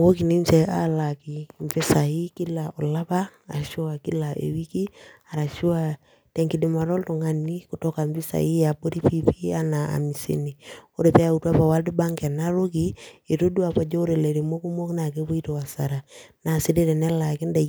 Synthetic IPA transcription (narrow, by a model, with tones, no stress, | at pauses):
wo˦ki˨ni˦mt͡ʃɛ˨a̰˦la˨ki˨mfi˦sa˨i˦ki˦la˨ʔɔ˨la˦ba˦a˨ʃu˦a˨ki˦la˨ʔḛ˨wi˦ki˦a˨ɾa˨ʃu˦a˨ | te˨ŋki˨di˨ma˨ɾɔ˦lto˨ŋa˦ni˦ku˨tɔ˦ka˨mfi˦sa̰˨i˦a˨bo˦ɾi˦pi˦pi˦a˦na˨a̰˨mi˨sḛ˨ni˨o˦ɾe˨pɛ˦a˨u˨twa˦pa˨wa˦ldi˦ba˦ŋkɛ˨na˦ɾo˦ki˦e˨to˦du˦a˨pa˨d͡ʒo˦o˦ɾe˨le˨ɾe˨mo˦ku˦mo˦kna˨ke˦bo˦i˦to˨a˨sa˨ɾa˨na˨si˦de˦ɾɛ˨nɛ˦la˨ki˦nda˨